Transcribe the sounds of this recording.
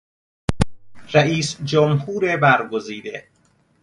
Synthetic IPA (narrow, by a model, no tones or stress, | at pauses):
ɾæiːsd͡ʒomhuːɾebæɾɡoziːd̪e